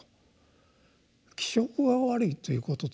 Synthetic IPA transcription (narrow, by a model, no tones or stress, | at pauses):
kʲi̥ɕo̞kɯ̟ɡaβaɾɯ̟it̪o̞jɯ̟ːko̞t̪ot